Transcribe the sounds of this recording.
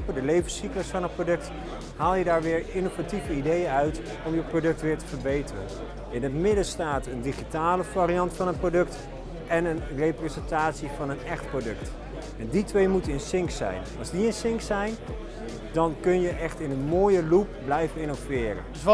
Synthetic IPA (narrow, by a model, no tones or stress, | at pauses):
pədəlejvəsikləsfɑnənprodɵkt | haːlˠjədaːɹʋɪːɹɪnovativəidejənœɥt | ɔmjəprodɵk̚tʋɪːɹtəvəɹbejtərə̰n | ɪnɦətmɪdəstaːtəndiχitaːləvaɾijɑntfɑnənprodɵkt | ɛnənrejprezɛntaːtsivɑnənɛχtprodɵkt | ɛnditʋejmutəənsɪŋksɛ̰jnɑlˠzdiənsɪŋksɛjn | dɑnkɵnjəʔɛχtɪnənmoːjəlup̚blɛjvənɪnovɪːrə̰